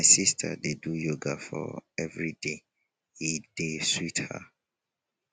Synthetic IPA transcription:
majsistʰa̰dedujoɡafɔ̰ɛvɹide | hid̥eswitha̰

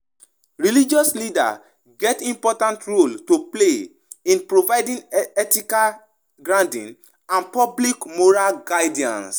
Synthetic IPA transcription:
ɹilid͡ʒɔslida̰ | ɡɛtĩmpɔtãntɹoltople | ĩnpɹovaɪdĩnɛtika | ɡɹãntḭ̃n | ãnpɔblikmoɹalɡaɪdiã̰ns

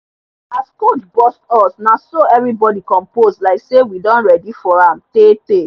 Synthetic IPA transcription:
askod͡ʒbɔstɔsnasoɛvɹibɔdikɔ̃mposdlaɪksewidɔ̃nɹɛdifɔɹãmtete

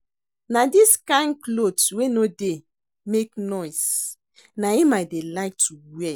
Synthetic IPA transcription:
nadiskãɪ̃nklodwenode | meknɔjs | naimajtdelaɪk̚tuwɛ

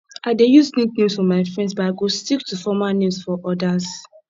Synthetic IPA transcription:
ʔadejusnĩk̚nĩmsfɔmaɪfɹɛ̃ndsbɔaɡostiktufɔmanĩsfɔʔɔdaz

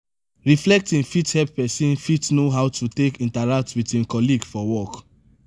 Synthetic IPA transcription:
ɹiflɛk̚tĩŋfithɛp̚ːɛsĩnfitnoɦaʊtutekĩntaɹak̚twitĩnkɔliɡfɔwɔk

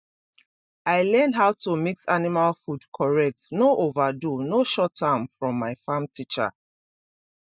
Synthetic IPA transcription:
aɪlɛnɦaʊtʰumiksanimalfudkʰɔɹɛk̚tnoʔovadunoʃɔtʰːãmfɹɔ̃mːaɪfãmtʰit͡ʃa̰

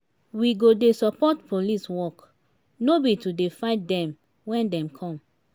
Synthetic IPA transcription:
wiɡodesɔpɔtpʰoliswɔk | nobitudefaɪt̚dɛ̃m | wɛ̃ndɛ̃mkʰɔ̃m

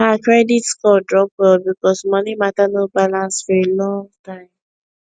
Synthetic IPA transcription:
ɦakɹɛditskɔdɹɔp̚ɔlbikɔsmɔnimatanobalãnsfɔɹelɔ̃ŋtãɪ̃m

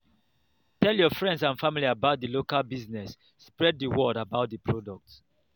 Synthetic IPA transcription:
tɛljɔfɹɛ̃ndsãnfamiliabaʊt̚dəlokalbiznɛsː | pɹɛd̚ðəwɔdabaʊt̚dəpʰɹɔdɔk̚t

